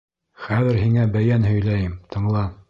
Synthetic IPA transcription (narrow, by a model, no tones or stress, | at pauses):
χæðɘ̆ɾɦiŋæbæjænhɵ̆jlæjɘmt̪ʰɤ̆ɴlˠɑ